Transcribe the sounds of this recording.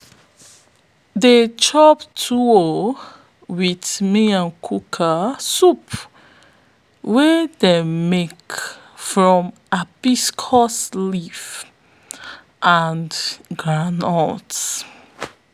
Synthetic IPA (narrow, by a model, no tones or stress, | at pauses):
det͡ʃɔptʰuɔ | widmeãnkʰukʰasup | wɛdemek | fɹɔ̃m | apiskʰɔslif | ʔanɡɹãnɔ̰t